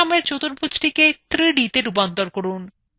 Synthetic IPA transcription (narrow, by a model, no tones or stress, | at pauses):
amet͡ɕot̪oɾpʰut͡ɕʈiket̪ɾiɖit̪eɾupant̪oɾkoɾun